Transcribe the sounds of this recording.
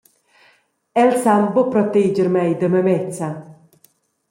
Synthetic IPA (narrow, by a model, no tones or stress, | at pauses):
ɛlsambopɾɔt̪ed͡ʒəɾmɛjd̪əməmɛt͡sa